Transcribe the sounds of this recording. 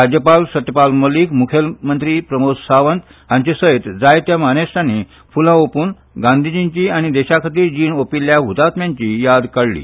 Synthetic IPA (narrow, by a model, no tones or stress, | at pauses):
ɾad͡ʑjəpalsət̪jəpalməliːkmukʰjəlmənt̪ɾiːpɾəmossaʋənt̪ | ɦãɲt͡ɕisəjt̪d͡zajt̪jamanest̪ani | fulãopuːn | ɡãnd̪ʱid͡ʑiɲt͡ɕiaɽ̃id̪ɛɕakʰat̪iːɾd͡ʑiːnopilːjaɦut̪at̪mjãɲt͡ɕijad̪kəɽlḭː